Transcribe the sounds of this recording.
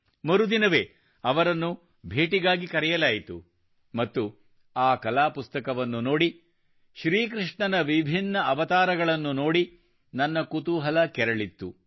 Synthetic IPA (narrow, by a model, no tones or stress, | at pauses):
mɐɾud̪inɐʋe̞ː | ɐʋɐɾɐnːu | bʱeːʈiɡaːɡikɐɾɛjɐlaːjit̪u | mɐt̪ːu | aːkɐlaːpust̪ɐkɐʋɐnːuno̞ːɽi | ʃɾiːkɾiʂɳɐnɐʋibʱinːɐɐʋɐt̪aːɾɐɡɐɭɐnːuno̞ːɽi | nɐnːɐkut̪uɦɐlɐkɛɾɐɭit̪ːu